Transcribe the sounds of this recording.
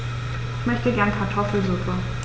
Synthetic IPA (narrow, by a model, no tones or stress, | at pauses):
ʔɪçmœçtəɡɛɐnpʰaɐtʰɔfl̩zutə